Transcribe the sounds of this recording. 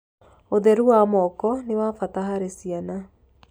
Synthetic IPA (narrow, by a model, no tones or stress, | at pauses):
oðɛɾuwamɔkɔnewaːfataɦaɾesiana